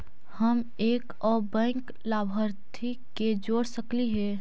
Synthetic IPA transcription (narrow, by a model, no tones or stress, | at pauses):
həm | eːk | ɔːbɛ̃ːŋk | laːbʱəɾt̪ʰi | ked͡ʒoːɽsəkliɦɛ